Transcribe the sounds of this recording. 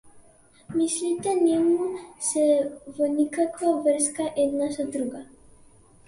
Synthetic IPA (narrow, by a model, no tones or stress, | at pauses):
mislit̪ɛnɛmusɛvɔnikakvavr̩skaʔɛd̪nasad̪ɾuɡa